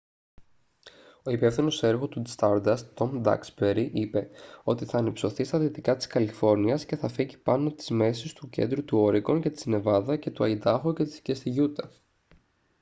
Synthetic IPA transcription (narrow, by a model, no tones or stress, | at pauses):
o̞ipe̞fθino̞se̞ɾɣo̞t̪ust̪ɐɾd̪ɐst̪o̞md̪ɐ̰ksbeɾiʔipe̞o̞t̪iθɐːnipso̞θist̪ɐðit̪ikɐt̪i̥skɐlifo̞ɾniɐsce̞θɐfiʝipɐno̞t̪i̥zme̞sist̪ucend̪ɾut̪uo̞ɾiɡo̞nce̞t̪i̥zne̞vɐðɐce̞t̪uɐid̪ɐxoce̞t̪i̥scest̪iʝut̪ɐ